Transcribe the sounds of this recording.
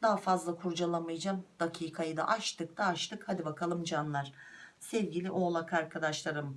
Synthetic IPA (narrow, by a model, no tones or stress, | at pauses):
d̪̥aɦafazlˠakʰuɾd͡ʒalˠamɯjd͡ʒamd̪̥acʰiːkʰajɯd̪a̰ʔaʃt̪ʰɯk̚d̪̥aːʃt̪ʰɯkhad̪ibakʰalˠɯmd͡ʒanlˠaɾ̥sɛvɟilʲiʔo̞ːlˠakʰaɾkʰad̪aʃlˠaɾɯm